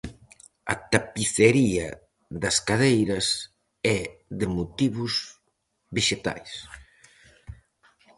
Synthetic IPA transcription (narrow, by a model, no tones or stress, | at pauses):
ɐ̰t̪apiθeɾiɐ̰ | ðɐskaðejɾɐs | ɛðɪmut̪iβʊz | βeʃet̪a̰js